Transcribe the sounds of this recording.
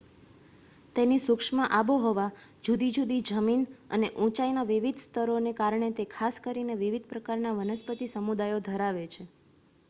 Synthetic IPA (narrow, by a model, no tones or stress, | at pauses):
t̪enisukʂmãʔaboɦoʋa | d͡ʒud̪id͡ʒud̪id͡ʒəminə̰neʔũt͡ʃainaʋiʋid̪ʱst̪əɾonekaɾɳet̪ekʰaskəɾineʋiʋid̪ʱpɾəkaɾnaʋənəspət̪isəmud̪ajod̪ʱəɾaʋet͡ʃʰe